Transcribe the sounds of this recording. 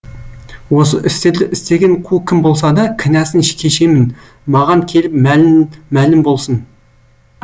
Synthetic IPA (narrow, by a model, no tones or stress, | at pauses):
wo̞s̬əʔɪst̪eɾd̪ɪʔɪst̪e̞ɡʲe̞ɴqʰukʲʰɪmbo̞lˠs̬ɑd̪ɑkʲʰɪnæsɪnʃkʲʰe̞ʃe̞mɪn | mɑʁɑŋkʲʰe̞lɪpmælːælɪmbo̞lˠsən